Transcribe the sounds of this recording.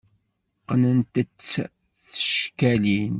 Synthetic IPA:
qənənt̪ət͡sː | θə̥ʃkælin

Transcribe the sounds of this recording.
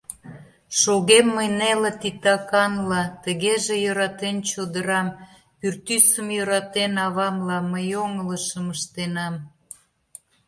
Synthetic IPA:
ʃoɣemːəjnelet̪it̪ɑkɑnlɑt̪əɣeʒejøɾɑt̪ent͡ɕod̪əɾɑm | pyrt̪ysəmjøɾɑt̪enɑβɑmlɑməjoŋələʃəməʃt̪enɑm

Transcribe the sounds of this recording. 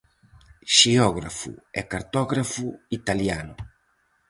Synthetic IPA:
ʃiɔɣɾafṵɛ̰kaɾt̪ɔɣɾafuit̪aljanʊ

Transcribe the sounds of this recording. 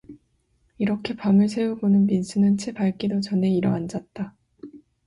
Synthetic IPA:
iɾʌkʰe̞pamɯɭs̬ʰe̞ubonɯnminsʰɯnɯnt͡ɕʰebaɭk͈idot͡ɕʌne̞iɾʌand͡ʑat̚t͈a

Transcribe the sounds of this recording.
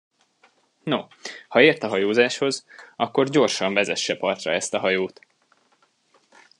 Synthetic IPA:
no | hɒeːrt̪ɒɦɒjoːzaːʃho̞zʔɒkːo̞rɟo̞rʃɒɱvɛzɛʃːɛpɒrt̪rɒ̰ɛst̪ɒɦɒjoːt̪

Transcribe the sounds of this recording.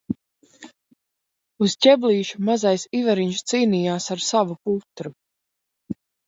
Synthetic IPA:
uzcʲɛbliːʃumazajsivaɾiɲst̪siːnijaːsaɾsavuput̪ɾu

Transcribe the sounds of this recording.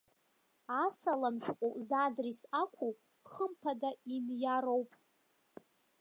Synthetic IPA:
asalamʃᶣqʷʼuzadrisakʷʰu | χəmpʰadaimjaɾowpʼ

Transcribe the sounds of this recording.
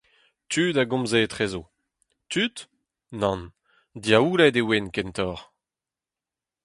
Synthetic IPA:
t̪yːdaɡɔ̃mzet̪χezo | t̪yt̪ | nɑ̃n | d̪jauːlɛdewenkɛnt̪ɔːʁ

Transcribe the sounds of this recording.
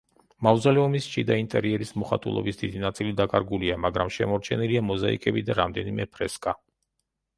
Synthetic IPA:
mavzalɛɔmist͡ʃʰʼid̪aint̪ʼɛɾiɛɾismɔχa̰t̪ʼṵlˠɔ̰bisd̪id̪inat̪sʼilid̪akʼaɾɡuliamaɡɾamʃɛmɔɾt͡ʃʰɛniliamɔzaḭkʼɛbid̪aɾamd̪ɛnimɛpʰɾɛskʼa

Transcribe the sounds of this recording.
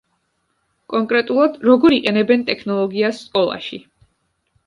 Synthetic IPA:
kʼɔŋkʼɾɛt̪ʼulˠad̪ɾɔɡɔɾiqʼɛnɛbɛnt̪ʼɛkʰnɔlˠɔɡiasːsʼkʼɔlˠa̰ʃḭ

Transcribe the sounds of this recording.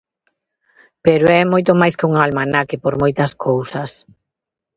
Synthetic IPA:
peɾoɛmojt̪omajskɪuŋalmanakɪpoɾmojt̪ɐskʰowsɐs

